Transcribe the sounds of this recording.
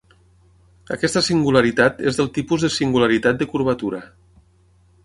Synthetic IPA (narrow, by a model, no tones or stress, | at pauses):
əkɛst̪əsiŋɡulaɾit̪at̪ezðəlˠt̪ipuzðəsiŋɡulaɾit̪at̪̚d̪əkuɾβ̞at̪uɾə